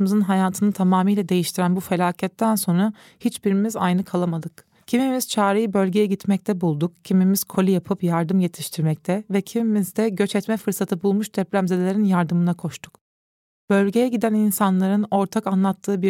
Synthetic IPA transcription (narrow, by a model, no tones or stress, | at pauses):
mɯzɯnɦajaːt̪ʰɯnɯt̪ʰamaːmijlʲɛd̪e̞jiʃt̪ʰiɾænbufe̞lʲaːcʰɛt̪ːænso̞nɾa | hit͡ʃbiɾimiza̰jnɯkʰalˠamad̪ɯk | cʰimimiz̥t͡ʃʰaːɾejibø̞lʲɟe̞jɛɟit̪mɛc̚t̪ʰɛbulˠd̪ukcʰimimiz̥kʰo̞lʲijapʰɯpjaɾd̪ɯmje̞t̪ʰi̥ʃt̪ʰiɾmɛc̚t̪ʰɛvɛcʰimimizd̪ɛɟøt͡ʃɛt̪mɛfɯɾsat̪ʰɯbulˠmuʃd̪ɛplʲæmzed̪lʲeɾinjaɾd̪ɯmɯnakʰo̞ʃt̪ʰu̥k | b̥ø̞lʲɟe̞jɛɟid̪æninsanlˠaɾɯno̞ɾt̪ʰakanlˠat̪ʰːɯːbi